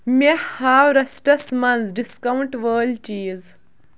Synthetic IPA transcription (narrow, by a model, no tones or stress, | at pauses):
mehaːwɾɐsʈɐsmɐnsɖiskɐwɳʈʋəːlt͡ɕiːz